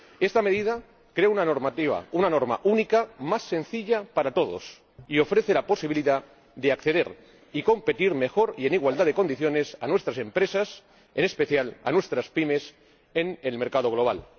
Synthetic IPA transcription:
e̞st̪ame̞ðið̞a | kɾe̞aunano̞ɾmat̪iβa̰unano̞ɾma̰ʔunikamasːe̞nθiʎapaɾat̪o̞ð̞o̞̰s | io̞fɾe̞θe̞laposiβiliða | ðeakθe̞ðe̞ɾ | iko̞mpe̞t̪iɾme̞xo̞ɾie̞niɣwald̪aðe̞ko̞nd̪iθjo̞ne̞sanwest̪ɾase̞mpɾe̞sas | e̞ne̞speθjala̰nwe̞st̪ɾaspime̞s | enelme̞ɾkað̞o̞ɣlo̞β̞al

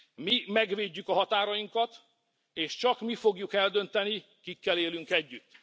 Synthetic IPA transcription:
mimɛɡʋeːɟːykɒɦɒt̪aːɾɒjiŋkɒt̪ | eːʃt͡ʃɒkmifo̞ɡjukɛld̪ø̞nt̪ɛni | kikːɛleːlyŋkɛɟːyt̪ː

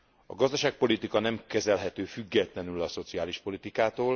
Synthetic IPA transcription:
ɒ̰ɡɒzd̪ɒʃaːk̚po̞lit̪ikɒnɛmkɛzɛlɦɛt̪øːfyɡːɛt̪lɛnylɒso̞t̪siaːliʃpo̞lit̪ikaːt̪oːl

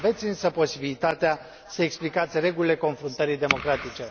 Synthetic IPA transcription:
ve̞t̪sʲɨnsəpo̞sibilit̪at̪ea | səeksplikat̪sʲre̞ɡulile̞ko̞nfɾunt̪əɾid̪e̞mo̞kɾat̪it͡ʃe̞

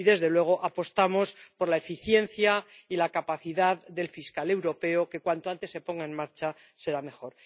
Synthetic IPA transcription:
iðe̞zðe̞lwe̞ɣ̞o̞ʔapo̞st̪amo̞spo̞ɾlae̞fiθje̞n̟θjailakapaθiðaðde̞lfiskale̞wɾo̞pe̞o̞ke̞kwant̪oant̪e̞sːe̞po̞ŋɡaenmaɾt͡ʃa | se̞ɾame̞xo̞ɾ

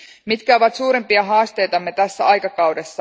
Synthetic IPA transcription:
mit̪kæo̞ʋɑt̪suːɾempiɑɦɑːst̪e̞jt̪ɑmːet̪æsːæɑjkɑkɑwdesːɑ

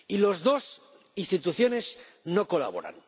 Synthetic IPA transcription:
ilo̞zðo̞s | inst̪it̪uθjo̞ne̞s | noko̞la̰β̞o̞̰ɾa̰n

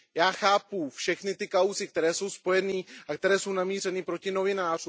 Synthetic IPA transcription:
jaːxaːpufʃɛxnɪt̪ɪkawzɪk̚t̪ɛɾɛːso̞wspo̞jɛniːʔakt̪ɛɾɛːso̞wnamiːr̝ɛnɪpɾo̞cɪno̞vɪnaːr̝u

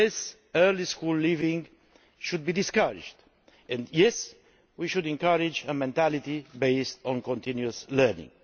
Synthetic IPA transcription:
ɪs | ɜliskulːivĩŋ | ʃud̪̚bid̪iskaɾɪ̰d͡ʒd̪ | ɛ̃nd̪jɛs | wiʃud̪ɛ̃ŋkaɾid͡ʒəmɛ̃nt̪ælit̪ibeɪst̪ɔ̃nkɔ̃nt̪ĩnjuəslɛ˞nḭ̃ŋ

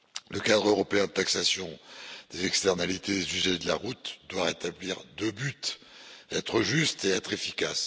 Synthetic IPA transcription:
ləkad̪ʁøʁɔpeɛ̃d̪ət̪aksasjɔ̃d̪̥ezɛkst̪ɛʁnalit̪ed̪ezyʒɛd̪əla̰ʁut̪d̪waʁet̪abliʁd̪øbyt̪ | ɛt̪χəʒyst̪eɛt̪χefikʲas

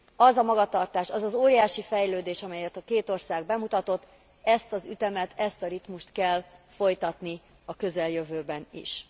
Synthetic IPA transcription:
ɒzɒmɒɡɒt̪ɒrt̪aːʃɒzɒzoːɾijaːʃifɛjløːd̪eːʃɒmɛjɛt̪ɒkeːt̪o̞rsaːɡbɛmut̪ɒt̪o̞t̪ː | ɛst̪ɒzyt̪ɛmɛt̪ʰɛst̪ɒɾit̪muʃt̪kɛlfo̞jt̪ɒt̪ni | ɒkø̞zɛljøvøːbɛnḭʃ

